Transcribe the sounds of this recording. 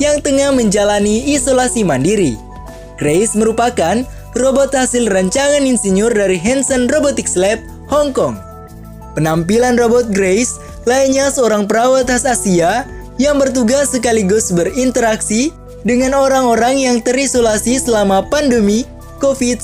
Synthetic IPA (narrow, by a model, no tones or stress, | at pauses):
jaŋt̪əŋahməɲd͡ʒalaniːsolasimandiɾi | ɡ̥ɾejsməɾupakan | robɔt̪̚hasɪlraɲt͡ʃaŋaninsiɲʊrdaɾiɦɛnsənrobot̪ikslɛp̚ | hɔŋkɔŋ | pənampilanrobɔt̪̚ɡɾejs | laiɲasəoɾaŋpəɾawat̪asasia | jaŋbərt̪uɡasːək̬aliɡʊsbərint̪əɾaksi | dəŋanoɾaŋoɾaŋjaŋt̪əɾisolasisəlamapandəmi | kofit̪̚